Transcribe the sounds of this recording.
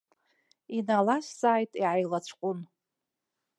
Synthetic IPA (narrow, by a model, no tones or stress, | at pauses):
inalaʃz̥aːjtʼiʕajlat͡ɕʷʰqʷʼʊn